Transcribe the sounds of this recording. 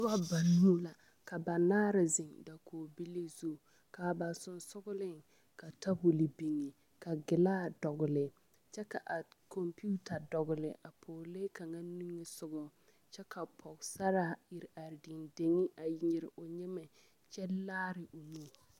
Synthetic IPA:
ta˦ba˨nːu˦la˨ | ka˨ba˨naː˦ɾɪ˨zɪ˨ŋda˨kʰoː˨bi˦li˦zu˦˨ | kaː˨ba˨sʊ˨nsʊ˦ɡʊ˦lɪ˦ŋ | ka˨ta˦bʊ˨lɪ˨bi˨ŋi˨ | ka˨ɡɪ˨laː˦dɔ˨ɣʊ˨lɪ˨ | t͡ʃɛ˦ka˨ʔa˨kʰɔ˨mpu˦tʰa˨dɔ˨ɣʊ˨lɪ̰˨ʔa˨pʰoː˨le˦ka˨ŋa˦nu˦ŋɪ˦sʊ˦ɡɔ˨ | t͡ʃɛ˦kʰa˨pʰɔ˨ɡsa˦ɾa˦˨ɪ˨ɾa˨ɾdɪ˨nde˨ŋi˦ʔa˨ji˨ɲɪ˨ɾɪ˨ʔo˨ɲɛ˦mɪ˨ | t͡ʃɛ˦laː˦ɾɪ˨ʔo˨nu˦

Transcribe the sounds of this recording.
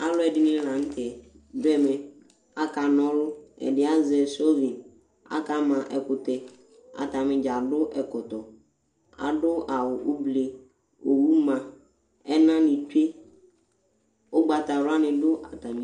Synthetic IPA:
a˦lʊ˦ɛ˨dɪ˦nɪ̃˦la˨n̩˦tʰɛ˨ | bɛ˦mɛ̃˨ | a˦ka˨nɔ̃˦lʊ˦ɛ̰˨dɪ˦a˦zɛ˨so˦vi˨n | a̰˦ka˦mã˨ʔɛ˨kʊ˨tɛ˨ | a̰˨ta˨mɪ̃˨d͡ʒa˨dʊ˦ʔɛ˨kʊ˨tɔ˨ | a̰˨dʊ˦a˨wʊ˨ʔʊ˦ble˨ | o˨wu˦mã˨ | ɛ˦nã˦nɪ̃˨tu˦e˦ | ʊ˦ɡ͡ba˨ta˨ɾa˦nɪ̃˨dʊ˦ʔa˨ta˨mĩ˨˦

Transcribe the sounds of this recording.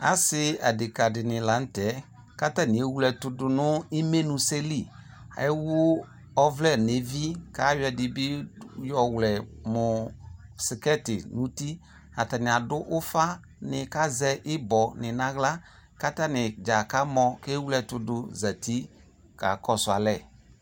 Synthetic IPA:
a̰˦sɪ˦a˨dɪ˨ka˨dɪ˨nɪ̃˨la˨˦n̩˦tɛ˨˦ | ka˦ta˦˨nɪ̃˨e˦wu˦lɛ˨tʊ˧dʊ˨nʊ˦i˦me˦nũ˨se˦li˦˨˦ | wʊ˦ | ɔ˦vlɛ˦˨ne˨˦vi˦ka˦jɛ˨dɪ˨bɪ˦jɔ˨wlɛ˨mʊ˨sɪ˨kɛ˦˨tɪ˨nũ˦ti˦ | a˨ta˨nɪ˨a˨dʊ˦ʔʊ˦fa˦ | nɪ˨ka˦zɛ˧ʔɪ˦bɔ˨nɪ˨na˦ɣla˦ | ka˦ta˦nɪ˨d͡ʒa˨ka˦mɔ˧ke˦wu˦lɛ˧˨tʊ˧dʊ˧za˨ti˦ | ka̰˨kɔ˦sʊ˨a˨lɛ˦˨

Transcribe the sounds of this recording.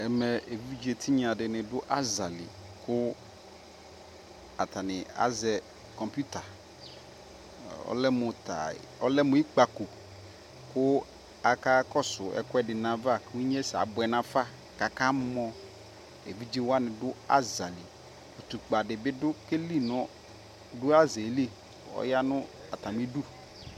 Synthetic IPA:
ɛ˨mɛ˨e˨vi˦d͡ʒi˦e˨t̪ʰi˦ɲ˦ã˨dɪ˨nɪ̃˨dʊ˦ʔa˦za˨lɪ̰˨ | kʊ˦ | a̰˨t̪ʰa˨nɪ̃˨a̰˦zɛ˨ | kɔ˨mpu˦t̪a˨ | ɔ̰˦lɛ˦mʊ̃˨t̪a̰˨ɔ˦lɛ˦mʊ̃˨˦i˦k͡pa˨ku˨ | kʊ˦ | a˨ka˦kɔ˦sʊ˨ɛ̰˨kwɛ˦dɪ˨nã˨˦va˦˨kwu˦ɲ˦ɛ˦sa̰˨bʊ˨ɛ˨nã˦fa˦ | ka˨ka˦m˦mɔ̃˦ | ḛ˨vi˦d͡ʒi˦wa˦nɪ̃˨dʊ˦a̰˦za˨li˨ | u˨t̪u˨k͡pa˨dɪ˨bɪ˦dʊ˦ke˦li˦nɔ̃˦ | dʊ˦a˦ze˨li˦˨ | ɔ̰˦ja˦nʊ̃˦ | a˨t̪a˨m˦e˦du˦

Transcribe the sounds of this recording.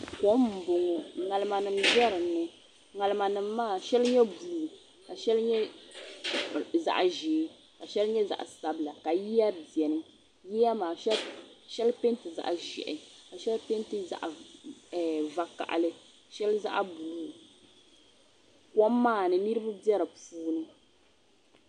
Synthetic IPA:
kɔ˨˦m̩˨bo˨ŋo˨ŋa˨lɨ˦ma˨nɨ˨mʒɛ˦ɾɨ˨nːɨ˦ | ŋa˨lɨ˦ma˨nɨ˨mːaː˦˨ʃɛ˦lɲɛ˦buː˨˦˨ | ka˨ʃɛ˦lɲɛ˦ | za̰˨ʔʒeː˨˦ | ka˨ʃɛ˦lɲɛ˦za̰˨ʔsa˨bɨ˨la˨ka˨ji˦ja˦bi˨ɛ˨nɨ˦ | ji˦ja˦maː˨ʃɛ˦ʃɛ˦lpe˦n˦tɨ˨za̰˦˨ʔʒɛ̰˨ʔɪ˨ka˨ʃɛ˦lpe˦ntɨ˦za̰˦ʔɛ˨va˨ka̰˨ʔlɨ˦ | ʃɛ˦lza̰˦ʔbu˨˦˨ | kɔ˦mː˦aː˦˨nɨ˨nɨ˦ɾɨ˦ba˦bɛ˦ɾɨ˨puː˦nɨ˦

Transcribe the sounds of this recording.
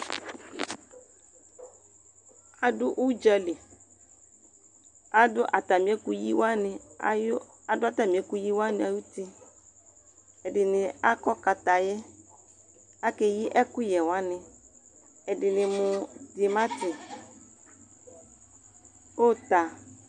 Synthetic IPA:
a˨dʊ˦ʔu˦d͡ʒa˦li˨ | a˦dʊ˦ʔa˨t̪a˨mĩ˨˦ɛ˦ku˦ji˦wa˦nɪ̰˨j | a˨dʊ˦a˦t̪a˨mĩ˨ɛ˦ku˦ji˦wa˦nɪ̃˨a˨ju˦ti˦ | ɛ˨dɪ˨nɪ˨a˦kɔ˦ka˨t̪a˨jɛ˦ | a˦kɛ˨ji˦ʔɛ˦kʊ˦jɛ˨wa˦nɪ̃˨ | ɛ˨dɪ˨nɪ̃˨mʊ̃˨d̪ɪ˨mã˦t̪ɪ˨ | o˦t̪a˨

